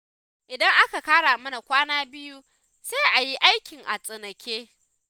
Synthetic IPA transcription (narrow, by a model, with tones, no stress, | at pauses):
ʔɪ˨dɐ˦ŋʔa˦ka˨kaː˦ɽaː˨mɐ˦na˨kʷaː˦naː˦bɪ˦ju˦ | seː˦ʔa˨ji˦ʔa˦jkʲɪ˨ŋʔa˨sʼɪ˨nɐ˨kʲeː˦